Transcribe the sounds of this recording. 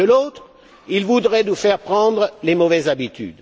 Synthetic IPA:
əlot̪ | ilvud̪ʁɛnufɛʁpχɑ̃d̪ʁəlemɔvɛzabit̪y̰d̪

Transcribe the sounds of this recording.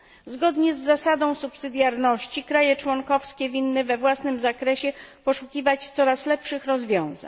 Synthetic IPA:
zɡɔd̪ɲɛzːasad̪ɔ̃w̃supsɘd̪ʲjaɾnɔɕt͡ɕikɾajɛt͡ʂwɔŋkɔfskʲɛvʲinːɘvɛvwasnɘmzakɾɛɕɛpɔʂukʲivat͡ɕt̪sɔɾaslɛpʂɘxɾɔzvʲjɔ̃w̃za̰ɲ

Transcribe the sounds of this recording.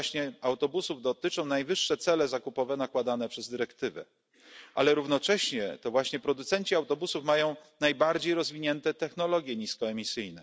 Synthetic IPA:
ɕɲɛawt̪ɔbusuvd̪ɔt̪ɘt͡ʂɔ̃w̃najvɘʂːɛt̪sɛlɛzakupɔvɛnakwad̪an̪ɛpʂɛzd̪ɘɾɛkt̪ɘvɛ̰ | ʔa̰lɛɾuvnɔt͡ʂɛɕɲɛt̪ɔvwaɕɲɛpɾɔd̪ut̪sɛnt͡ɕiawt̪ɔbusufmajɔ̃w̃najbaɾd͡ʑejɾɔzvʲiɲɛnt̪ɛt̪ɛxnɔlɔɡʲjɛɲiskɔɛmʲisɘjnɛ

